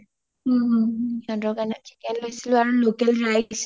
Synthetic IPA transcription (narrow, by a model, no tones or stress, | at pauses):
jɔndɔkanatʰi̥kɛnlojsilʊaɹulokɛlɹajs